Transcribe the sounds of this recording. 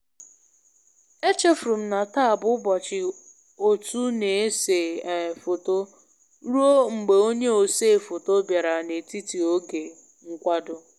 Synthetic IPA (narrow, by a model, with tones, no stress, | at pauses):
e˦t͡ʃe˦fɾu˨m̩˨˦na˨ta˦˨bʊ˦bɔ˨t͡ʃɪ˨ | o˨tu˦ne˨e˦se˨fo˨to˦ | ɾu˦o˦ŋ͡m̩˨ɡ͡be˨o˦ɲe˦o˨se˦˨fo˨to˦bja˨ɾa˨ne˨ti˦ti˨o˦ɡe˨ | ŋ̩˦kʷa˦dʊ˦